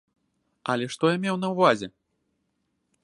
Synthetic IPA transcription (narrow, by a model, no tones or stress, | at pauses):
ɐlʲɛʂt̪ɔjamʲɛwnɐwvazʲɛ